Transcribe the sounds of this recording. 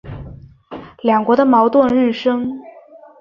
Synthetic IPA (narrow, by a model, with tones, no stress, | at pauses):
ljɑ˨˩ŋkwɔ˧˥d̪ə˧mɑ˧˥ʊt̪wə˥˧nɻ̩˥˩ʂɤ˥ŋ